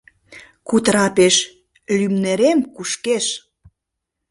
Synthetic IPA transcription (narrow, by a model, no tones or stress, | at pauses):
kut̪ɾɑpeʃ | lymneɾemkuʃkeʃ